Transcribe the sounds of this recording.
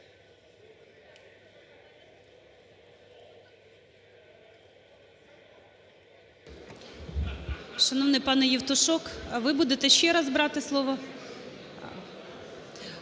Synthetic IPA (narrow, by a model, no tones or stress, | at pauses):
ʃɐnɔʋnɪjpɑnɛjiwt̪ʊʃɔkʋɪbud̪et̪ɛʃʲt͡ʃɛɾɑzbɾɑt̪ɪslˠɔʋɔ